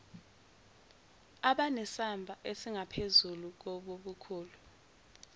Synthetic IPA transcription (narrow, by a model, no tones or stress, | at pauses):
aɓanɛsambʱaʔesiŋapʰezuluk̬oɓoɓukʰuːlu